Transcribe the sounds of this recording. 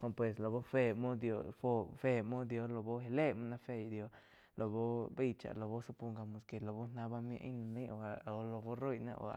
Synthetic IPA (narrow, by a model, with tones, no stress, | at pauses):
ko˧pwe˨s̬lo˨bo˦fe˧mo˦d̪jo˧fo˦˧fe˧mo˦d̪jo˧lo˨bo˦he˧le˦ma˦na˧fe˧jd̪jo˧ | lo˨bo˦be˦jt͡ʃa̰˨lo˨bo˦so˦pu˧ŋɡa˧mo˨ske˨lo˨bo˦na˧˦ba˦˧mjḛ˧ʔjna˧˨ne˦o˧a˨lo˨˧bo˦ɾo˦jna̰˧ʔo̰˨a̰˨